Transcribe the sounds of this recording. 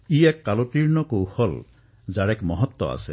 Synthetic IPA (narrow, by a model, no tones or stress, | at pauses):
iɛkːaloʈiɾnɔkowhɔl | zaɽɛkmɔɦɔt̪ːɔ̰a̰se